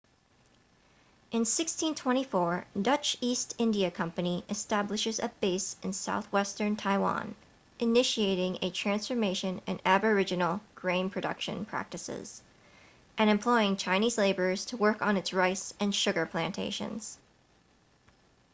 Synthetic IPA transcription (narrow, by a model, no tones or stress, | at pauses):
ʔɨ̃nsɪkstʰĩntʰw̥ɛ̃ɾ̃ifɔɹdʌt͡ʃistʰɪ̃ndiɨkʰʌ̃mpɨniʔɨstæblɨʃɨzɨ̰beɪsɨ̃nsaʊθwɛstə̃˞ntʰaɪwɑ̰̃n | ʔɨnɪʃieɪɾɪ̃ŋɨtʰɹ̥æ̃nsfə˞meɪʃɨ̃nɨ̰̃næbə˞ɪd͡ʒɨnl̩ˠɡ̥ɹẽɪ̃npʰɹ̥ɨdʌ̰kʃɨ̰̃npʰɹ̥æ̰k̚tɨsɪ̰z̥ | ʔɨ̃nɨ̃mpʰl̥ɔɪɪ̃ŋt͡ʃʰãɪ̃ñizleɪbə˞z̥tʰəwɜ˞kn̩ɨtsɹaɪsɨ̃nʃʊɡə˞pʰl̥æ̃ntʰḛɪʃɨ̰̃nz̥